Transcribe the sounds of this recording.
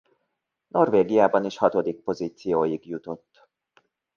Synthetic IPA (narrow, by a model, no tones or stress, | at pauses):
no̞rveːɡijaːbɒneːʃhɒt̪o̞d̪ik̚po̞ziːt̪sijoːjiɡjut̪o̞t̪ː